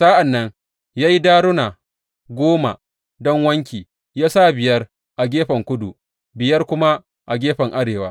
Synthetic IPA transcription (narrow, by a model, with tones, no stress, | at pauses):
sa˦ʔa˨nːɐ˦ŋ | jaː˦ji˦daː˦ɽʊ˦na˨ | ɡʷoː˦ma̰˨ | dɔ˦ŋwɐ˦ŋk̬ʲiː˨ | jaː˦sa˦˨bɪ˨jɐ˦r | ʔa˨ɡʲeː˦ɸɐ˨ŋkʷʊ˦du˨ | bɪ˨jɐ˦rkʷʊ˦ma˦ | ʔa˨ɡʲeː˦ɸɐ˨ŋʔa˦ɽeː˨waː˦